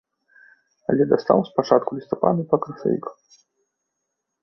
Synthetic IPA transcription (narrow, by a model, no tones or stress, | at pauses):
a̰lʲɛd̪ast̪a̰wspat͡ʂat̪̚kulʲist̪apa̰d̪ɐpɐkɾɐsa̰ḭk